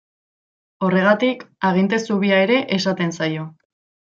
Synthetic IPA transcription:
o̞re̞ɣ̞at̪ikaɣ̞int̪e̞suβiae̞ɾe̞ʔesat̪e̞nsajo̞

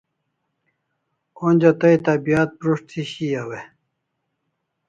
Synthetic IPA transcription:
onʲd͡ʑat̪ɐit̪abijat̪̚pɾuʂt̪ʰiɕijawe

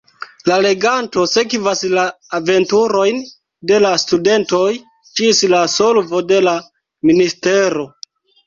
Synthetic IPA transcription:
lale̞ɡanto̞sekvaslaː | ve̞ntuɾo̞jn | de̞lastude̞nto̞j | t͡ʃislaso̞lvo̞de̞la | ministe̞ɾo̞

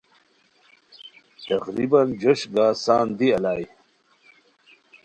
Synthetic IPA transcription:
t̪ɐqɾibɐnd͡ʑɐʂɡaːsaːnd̪iɐlaːj

